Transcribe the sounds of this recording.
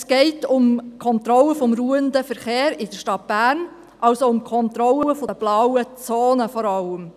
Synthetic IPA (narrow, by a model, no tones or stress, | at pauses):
sɡ̥ɛɪtʊmkʰɔnt̪ɾɔləfɔmɾuəndəfəɾχeːɾɪd̥əʃtɑt̚b̥æːɾn | ʔɑlsoʊmkʰɔnt̪ɾɔləəfoəb̥lawət͡soːnəfɔɾɑləm